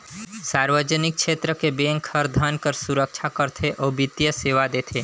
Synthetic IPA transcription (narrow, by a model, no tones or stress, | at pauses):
saːɾʋəd͡ʒənɪk̚ʃeːt̪ɾəkebeːŋkʰːəɾd̪ʱaːnkəɾsuɾək̚t͡ʃʰakəɾt̪ʰeʔoːbit̪ijəseːʋad̪eːt̪ʰe